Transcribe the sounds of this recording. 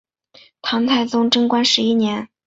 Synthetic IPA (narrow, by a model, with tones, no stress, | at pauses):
t̪ʰɑ˧˥ŋt̪ʰa˥˩ɪt͡sʊ˥ŋʈ͡ʂɤ˥ŋkwa˥nʂɻ̩˧˥i˥njɛ˧˥n